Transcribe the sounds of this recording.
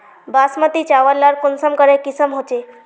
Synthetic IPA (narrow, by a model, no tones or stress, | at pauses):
basmət̪it͡ʃaʋəlːaɾkonsəmkəɾekisəmɦot͡ʃe